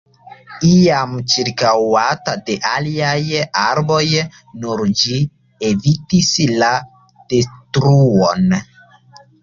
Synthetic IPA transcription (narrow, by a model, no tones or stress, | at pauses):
iamt͡ʃiɾkawatade̞ʔaliajaɾbo̞j | nuɾd͡ʒi | evitisla | d̥estɾuon